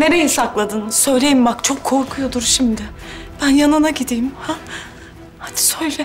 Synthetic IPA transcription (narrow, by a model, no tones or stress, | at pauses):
ne̞ɾe̞jisaklˠad̪ɯnsø̞jlʲe̞jimbakt͡ʃʰo̞kʰːo̞ɾkʰujo̞d̪uɾʃimd̪ɪ | b̥ænjanɯnaɟid̪ijimha | had̪i̥søjlʲɛ